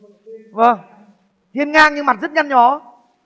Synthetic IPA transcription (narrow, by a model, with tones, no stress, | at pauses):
və˨˧˩ŋ | t̪ʰi˧ənŋaː˧ɲɨ˧ŋma˨˩t̚zə˦˥t̚ɲa˧nɲɔ˨˦